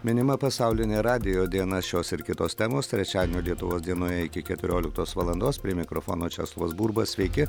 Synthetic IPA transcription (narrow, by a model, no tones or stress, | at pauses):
mʲɪnʲɪmɐpɐsɑˑʊlʲɪnʲeːɾɑːd̪ʲɪjoːd̪ʲiɛnɐʃʲoːsɪɾkʲɪt̪oːst̪ʲɛmoːst̪ʲɾʲɛt͡ʃʲæːd̪ʲɪmʲoːlʲiɛt̪ʊʋoːsd̪ʲiɛnoːjɛɪkʲɪkʲɛt̪ʲʊɾʲoːlʲɪkt̪oːsʋɑlˠɐnd̪oːspʲɾʲiɛmʲɪkɾɔfɔ̰ːnoːt͡ʃʲɛ̰ːslˠʋoːsbuːɾbɐsʲʋʲɛɪkʲɪ